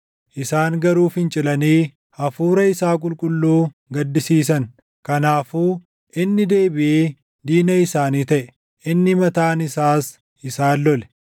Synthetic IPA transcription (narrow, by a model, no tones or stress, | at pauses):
ʔɪsaːŋɡɐɾuːfhɪnt͡ʃʼɪlɐniː | hɐfuːɾɐɪsaːkʼʊlkʼʊlːuː | ɡɐd̪ːɪsiːs̬ɐŋ | kɐnaːfuː | ʔɪnːɪd̪e̞ːbɪʔeː | d̪iːnɐɪsaːniːt̪ɐʔɛ | ʔɪnːɪmɐt̪aːnɪsaːs | ɪsaːlːɔlɛ̥